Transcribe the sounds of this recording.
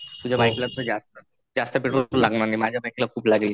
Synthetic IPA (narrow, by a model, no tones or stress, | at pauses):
t̪ud͡ʑʱabajklat̪əd͡zast̪ə | d͡zast̪əpeʈolaɡnanimad͡ʑʱjabajklakʰuːplaɡl